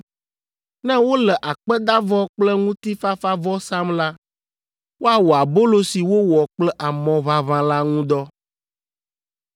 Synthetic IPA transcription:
nɛ̃˦wo˦lɛ˨ʔa˨k͡pɛ˦d̪a˦vɔ˦k͡plɛ˦ŋũ˦t̪i˦fa˦fa˦vɔ˦sa˦mla˦ | wo˦a˨wɔ˨a˨bo˦lo˦si˨wo˦wɔ˨k͡plɛ˦ʔa˨mɔ̃˨βa˦βã˦la˦ŋũ˦d̪ɔ˦

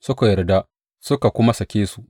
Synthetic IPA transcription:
sʊ˦ka˨jɐ˨rda˦ | sʊ˦ka˨kʷʊ˦ma˦sɐ˨kʲeː˦su˦ʔ

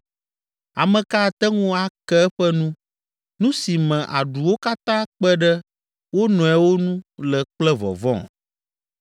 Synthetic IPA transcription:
a˨mə̃˨ka˦˨t̪ɛ˦ŋũ˦a˨kɛ˦ɛ˦ɸɛ˦nũ˦ | nũ˦si˨mɛ̃˨ʔa˨ɖu˨wo˦ka˦t̪ã˦k͡pɛ˦ɖɛ˦ | wo˦nɔ̃˨ɛ˨wo˦nũ˦lɛ˨k͡plɛ˦vɔ̰˨vɔ̰̃˦˨

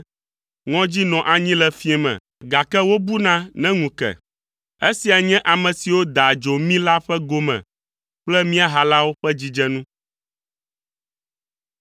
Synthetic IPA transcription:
ŋɔ̃˦d͡ʑi˦nɔ̃˨ʔa˨ɲĩ˦lɛ˨fĩ˦ɛ˦mɛ̰̃˨ | ɡa˨kɛ˦wo˦bu˦nã˦nɛ̃˦ŋũ˨kɛ̰˨ | e˦si˨a˨ɲɛ̃˦ʔa˨mɛ̃˨si˨wo˦d̪a˨d͡ʒo˨mĩ˦la˦ɸɛ˦ɡo˦mɛ̰̃˨ | k͡plɛ˦mĩ˦a˨ɦa˨la˦wo˦ɸɛ˦d͡ʑi˦d͡ʒɛ˦nũ˦

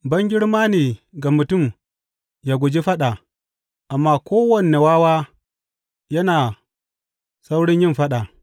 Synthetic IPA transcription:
bɐ˦ŋɡʲɪ˦ɽmaː˦neː˨ɡa˨mʊ˨tʊ˦˨m | jaː˨ɡʷʊ˨d͡ʒi˦ɸɐ˦ɗa˨ | ʔa˨mːaː˦kʷoː˦wɐ˨ne˨waː˦waː˦ | jɐ˦naː˨ | sa˦wɽɪ˦ɲjɪ˦mɸɐ˦ɗa˨

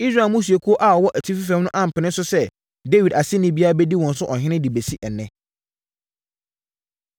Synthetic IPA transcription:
i˦sɾa˨mũ˦s̬u˨e˨kʰu˦o˦ʔa˨ɔ˨wɔ˦ʔæ˨tʰi˦fi˦fɛ̃˦mnʊ̃˦ʔã˦m̩˨pʰɪ˨nɪ̃˦n˦sʊ˦sɛ˦ | de˦wi˨da˨sɪ˦nɪ̃˦bi˦a˦a˦bɛ˦di˦wɔ̃˨n˦sʊ˦ʔɔ˨ɦɪ̃˦nɪ̃˦di˨be˨si˦ʔɛ˨nɛ̃˦

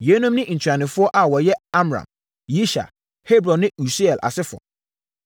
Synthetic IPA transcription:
je˨˦nũ˦mnɪ̃˦˨n̩˨tʰɥɾa˨nɪ̃˨fʊ˦ɔ˦ʔa˨wɔ˨jɛ˦a˦mɾã̰˨m | ji˦ʃa̰˨ | he˦bɾɔ̃˨nːɪ̃˦u˨si˦ɛ˨lʔa̰˨sɪ˦fɔ̰˨

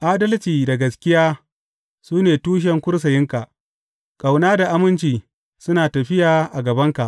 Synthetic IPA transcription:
ʔaː˦dɐ˦lt͡ʃiː˨da˨ɡɐ˨skʲɪ˦jaː˦ | suː˦neː˨tuː˦ʃ̬ɛ˨ŋkʷʊ˦ɽs̬ɐ˨jɪ˦ŋka˨ʔ | kʼa˨wnaː˦da˨ʔa˦mɪ˦nt͡ʃiː˨ | sʊ˦naː˨tɐ˨ɸɪ˦jaː˨ʔa˨ɡɐ˨bɐ˦ŋka˨ʔ

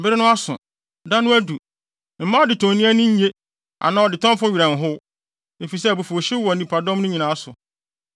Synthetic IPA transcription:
m̩˨bɪ˦ɾɪ˦nʊ̃˦a˦sʊ̰̃˨ | dã˦nʊ̃˦æ˦du˨ | m̩˨mã˦ɔ˦dɪ˨tʰɔ̃˨nĩ˦æ˦nʊ̃˦ɲ̩˦ɲe˦ | ʔa̰˨nã˨ɔ˨dɪ˨tʰɔ̃˦m˦fʊ̃˦ɥi˨ɾã˨n̩˨ɦʊ˦ | e˨fi˨s̬ɛ˦˨bu˨fu˨ɕi˦wɔ˨nĩ˨pʰa˨dɔ̃˦mnʊ̃˦ɲĩ˨nã˨˦sʊ˨

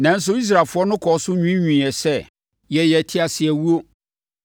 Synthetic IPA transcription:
nã˨n̩˦s̬ʊ˦i˦s̬ɾa˨fʊ˦ɔ˦nʊ̃˦kʰɔ˨˦sʊ˦ɲᶣũ˦ɲᶣũ˨ɛ˨sɛ˦ | jɛ˨jɛ˨tʰɪ˦a˨sɪ˨æ˨wu˦o˦

